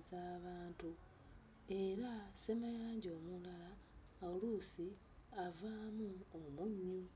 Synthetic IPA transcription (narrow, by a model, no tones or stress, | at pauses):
zaβaːntu | e̞ɾase̞majaːɲɟo̞ːmulalaː | ulusi | avaːmuomuɲːu